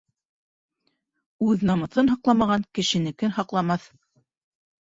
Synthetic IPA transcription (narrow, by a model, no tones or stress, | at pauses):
ʉðnɑmɤ̆θɤnɦɑqlˠɑmɑʁɑŋkɘ̆ʃɘ̆nɘ̆kɘnhɑqlˠɑmɑθ